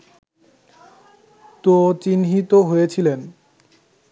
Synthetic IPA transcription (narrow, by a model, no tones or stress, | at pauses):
t̪ot͡ɕinɦit̪oɦojet͡ɕʰilen